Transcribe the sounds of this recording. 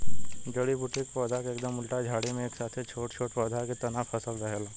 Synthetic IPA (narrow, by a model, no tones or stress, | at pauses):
ɡəɽibʊʈekpɔːd̪ʱakeeːk̚d̪əmːʊlʈad͡ʒʱaːɽemẽeːksaːt̪ʰet͡ʃʰoːʈt͡ʃʰoːʈpɔːd̪ʱaket̪ɐnafʰɐsəlɾɐɦɛlː